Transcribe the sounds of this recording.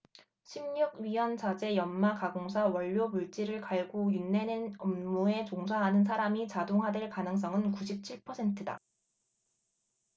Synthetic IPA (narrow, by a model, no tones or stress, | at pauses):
ɕʰimɲuɡ̚ɥijʌnt͡ɕad͡ʑe̞jʌnmakaɡoŋs̬ʰawʌʎːomuɭt͡ɕ͈iɾɯɭkaɭɡojunːe̞nenʌmːue̞t͡ɕoŋsʰaɦanɯns̬ʰaɾamit͡ɕadoŋɦadweɭkanɯŋs̬͈ʌŋɯnkuɕʰip̚t͡ɕʰiɭpʰʌsʰe̞ntʰɯda̰